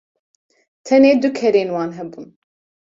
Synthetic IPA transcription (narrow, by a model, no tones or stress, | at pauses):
t̪ʰɛneːd̪ʊkʰɛɾeːnwɑːnɦɛbuːn